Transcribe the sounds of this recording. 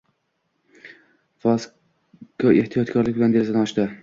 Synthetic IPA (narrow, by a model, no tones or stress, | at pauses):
fɒs | kɒeht̪ʰijɒt̪kʰɒɾlɪk̚ʲbland̪eɾsanaɒʃd̪ɪ